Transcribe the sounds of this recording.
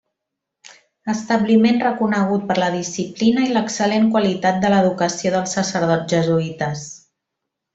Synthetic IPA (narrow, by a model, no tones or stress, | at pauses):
əst̪əβlimenrəkunəɣ̞ut̪̚pəɾləðisiplinəiləksəleŋkwəlit̪at̪̚d̪ələðukəsioðəlˠsəsəɾð̞ɔʒəzuit̪əs